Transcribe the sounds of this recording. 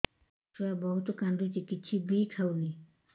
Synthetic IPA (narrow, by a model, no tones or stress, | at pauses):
sɔabɔɦut̪okand̪ut͡ʃikit͡ʃʰibikʰawni